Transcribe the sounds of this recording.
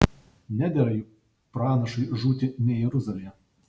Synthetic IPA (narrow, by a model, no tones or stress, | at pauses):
nʲæd̪ʲɛɾɐj | pɾɑːnɐʃɐɪʒuːt̪ʲɪnʲɛjɛɾʊzɐlʲiɛ